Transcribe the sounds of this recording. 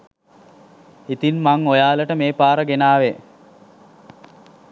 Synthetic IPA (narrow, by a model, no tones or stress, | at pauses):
it̪inmaŋojaːləʈəmeːpaːɾəɡenaːʋe